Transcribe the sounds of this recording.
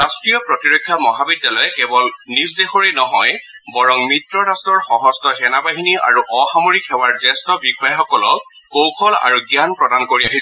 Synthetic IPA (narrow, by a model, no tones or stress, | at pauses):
ɹastɹijɔpɹɔtiɹokʰːjamɔɦabidːalɔjɛkɛbɔlnis̬dexoɹenɔɦɔj | bɔɹɔŋmɹitɹɔɹastɹɔɹxɔɦɔstɔxɛnabaɦinia̰ɹuʔɔxamoɹikxɛwaɹdɛstɔbikʰajxɔkɔlɔ | kowkʰɔla̰ɹuɡjanpɹɔdankoɹiaɦis